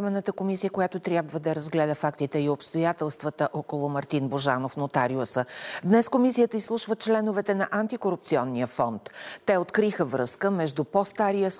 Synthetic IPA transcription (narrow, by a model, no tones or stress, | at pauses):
mɛnːət̪əkomisijəkojat̪ot̪ɾʲjabvəd̪ɐɾɐzɡlɛd̪əfakt̪it̪ɛiopst̪ojat̪ɛlˠst̪vət̪əʔɔkolˠʊmɐɾt̪inboʒanofnot̪aɾiosəd̪nɛskomisijət̪əislˠuʃvət͡ʃlɛnovɛt̪ɛnɐʔant̪ikoɾup̚t̪siɔnːiəfɔnt̪ːɛot̪kɾixəvɾɤskəmɛʒd̪upɔst̪aɾijəs